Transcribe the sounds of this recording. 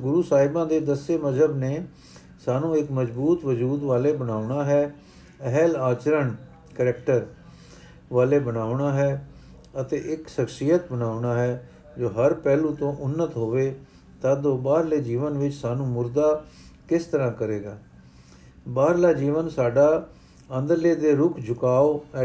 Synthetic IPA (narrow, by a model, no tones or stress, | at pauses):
ɡʊɾuːsaːɦɪbãːd̪eːd̪əseːməd͡ʒəbneː | saːnũːɪkməzbuːt̪ʋəd͡ʒuːd̪ʋaːleːbənaːʊɳaːɦɛː | əɦɛlaːt͡ʃɾəɳ | kəɾɛkʈəɾ | ʋaːleːbənaːʊɳaːɦɛː | ət̪eːʔɪkʃəkʃijət̪̚bənaːʊɳaːɦɛː | d͡ʒoːɦəɾpɛːlũːt̪õːʔʊnːət̪ɦoːʋeː | t̪aːd̪oːbaːɾleːd͡ʒiːʋənʋɪt͡ʃsaːnũːmʊɾd̪aːkɪst̪əɾãːkəɾeːɡaː | baːɾlaːd͡ʒiːʋənsaːɖaː | ənd̪əɾleːd̪eːɾʊkʰd͡ʒʱʊkaːoːɛ